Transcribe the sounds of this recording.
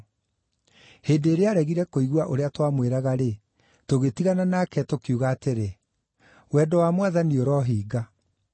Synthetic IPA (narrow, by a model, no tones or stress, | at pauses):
heːndeːɾeaɾɛɣiɾɛkoiɣwaʔoɾeatwamweɾaɣaɾe | toɣetiɣananakɛtokjuːɣaːteɾe | wɛdɔwamwaðanioɾɔɦiːɡa